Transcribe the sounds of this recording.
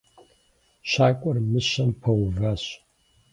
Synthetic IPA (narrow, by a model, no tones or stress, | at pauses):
ʃaːkʷʼɔrmɨʃɐmpʰɐwvaɕ